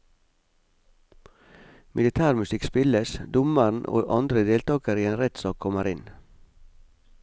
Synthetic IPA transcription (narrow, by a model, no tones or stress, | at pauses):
mʔɪlɪt̪ʰæːɾmʉsɪkspɪləsd̪ʊmən̩ʔo̰ːʔɑnd̪ɾəd̪eːlt̪ɑːkəɾiːeːnɾɛt̪sɑːkʰɔməɾɪn